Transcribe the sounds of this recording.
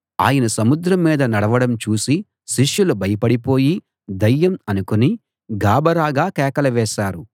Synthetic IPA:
a̰ːjɐnɐsɐmud̪ɾɐmːiːd̪ɐnɐɽɐʋɐɽɐmt͡ʃuːsi | ʃiʂjulubɐjɐpɐɽipo̞ːji | d̪ɐjːɐmɐnukuni | ɡaːbɐɾaːɡaːkɛːkɐlɐʋɛːʃaːɾu

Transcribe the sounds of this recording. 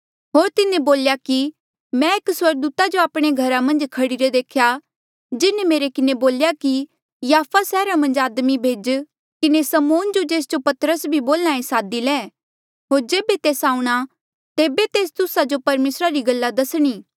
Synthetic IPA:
ɦoːɾt̪ɪnẽboːljaki | mɛ̃ekswɐɾɡ̚d̪uːt̪ad͡ʒoaːpɽ̃eɡʱɐɾamɐ̃nd͡ʒkʰɐɽiɾed̪eːkʰja | d͡ʒɪnemeːɾekɪneboːljaki | jaːpʰasɛːɾamɐ̃nd͡ʒaːd̪mibʱeːd͡ʒ | kɪnesɐmoːnd͡ʒod͡ʒeːs̬d͡ʒopɐt̪ɾəsbʱiboːlnãːẽsaːd̪ilɛː | ɦoːɾd͡ʒeːbet̪eːsaːũɽ̃a | t̪eːbet̪eːst̪ʊsad͡ʒopɐɾmeːsɾaɾiɡɐlːad̪ɐsɽ̃iː

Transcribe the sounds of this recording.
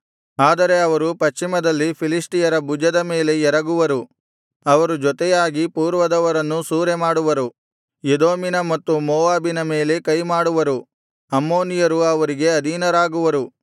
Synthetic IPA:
aːd̪ɐɾe̞ɐʋɐɾupɐʃt͡ʃːimɐd̪ɐlːipʰilisʈijɐɾɐbud͡ʒɐd̪ɐme̞ːle̞ɛɾɐɡuʋɐɾu | ɐʋɐɾud͡ʒɔt̪ɛjaːɡipuːɾʋɐd̪ɐʋɐɾɐnːusuːɾemaːɽuʋɐɾu | jed̪oːminɐmɐt̪ːumoːʋaːbinɐme̞ːle̞kɐjmaːɽuʋɐɾu | ɐmːoːnijɐɾuɐʋɐɾiɡe̞ɐd̪ʱinɐɾaːɡuʋɐɾu

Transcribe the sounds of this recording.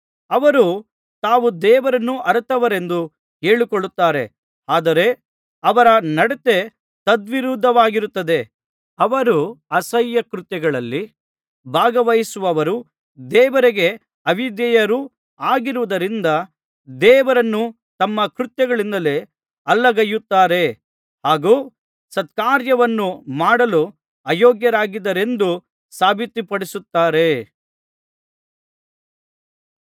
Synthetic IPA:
ɐʋɐɾu | t̪aːʋud̪ɛːʋɐɾɐnːuʔɐɾt̪ɐʋɐɾe̞nd̪u | ke̞ːɭikoɭːut̪ːaːɾe̞̰ | aːd̪ɐɾe̞ | ɐʋɐɾɐnɐɽet̪e̞ | t̪ɐd̪ʋiɾud̪ʱːɐʋaːɡiɾut̪ːɐd̪e̞ | ɐʋɐɾuɐsɐjːɐkɾut̪jɛɡɐɭɐlːi | bʱaːɡɐʋɐjisuʋɐʋɐɾu | d̪ɛːʋɐɾeɡe̞ | ɐʋid̪jɛjɐɾu | aːɡiɾuʋud̪ɐɾind̪ɐ | d̪ɛːʋɐɾɐnːu | t̪ɐmːɐkɾut̪jɛɡɐɭind̪ɐle̞ | ɐlːɐɡɐjːut̪ːaːɾe̞ | haːɡuː | sɐt̪̚kaːɾjɐʋɐnːumaːɽɐlu | ɐjoːɡjɐɾaːɡid̪ɐɾe̞nd̪u | saːbʱit̪ːipɐɽisut̪ːaːɾe̞

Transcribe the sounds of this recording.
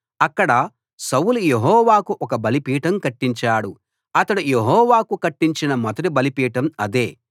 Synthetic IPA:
ɐkːɐɽɐ | sɐwulujeɦɔːʋaːkuʔɔkɐbɐlipiːʈɐmkɐʈːiɲt͡ʃaːɽu | ɐt̪ɐɽuje̞ɦɔːʋaːkukɐʈːiɲt͡ʃinɐmɐt̪ɐʈibɐlipiːʈɐmɐd̪eː

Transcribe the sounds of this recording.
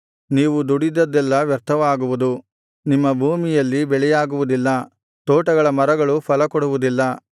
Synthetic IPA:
niːʋud̪uɽid̪ːɐd̪ɛlːɐʋjɐɾt̪ʰɐʋaːɡuʋud̪u | nimːɐbʱuːmijɐlːibɛɭɛjaːɡuʋud̪ilːɐ | t̪oːʈɐɡɐɭɐmɐɾɐɡɐɭupʰɐlɐkɔɽuʋud̪ilːɐ

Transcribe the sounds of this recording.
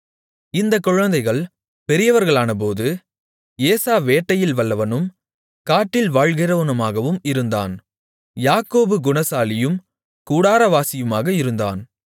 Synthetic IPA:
ɪnd̪ɐkːɔɻɐnd̪ɐɪɣɐɭ | pɛɾɪjɐʋɐɾɣɐɭaːnɐp̬oːðɯ | eːsaːʋeːʈːɐjɪlʋɐlːɐʋɐnɯm | kaːʈːɪlʋaːɻɣɪɾɐɯnɐmaːɣɐʋɯmɪɾɯnd̪a̰ːn | jaːkoːbɯɡʊɳɐsaːlɪjɯm | kuːɽaːɾɐʋaːsɪjɯmaːɣɐɪɾɯnd̪a̰ːn

